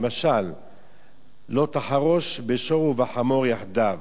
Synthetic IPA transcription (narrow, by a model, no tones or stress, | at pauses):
maʃal | o̞t̪aħaʁo̞ʃbeʃo̞ʁuvaħamo̞ʁjaħd̪av